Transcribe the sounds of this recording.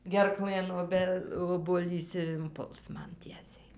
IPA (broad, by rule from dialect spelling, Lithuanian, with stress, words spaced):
ɡʲɛrˈklˠɘn oːˈbʲɛ oːbuɔˈlʲiːs ɪr ɪnˈpʊlˠs ˈmɐn ˈtʲiɛsʲɛɪ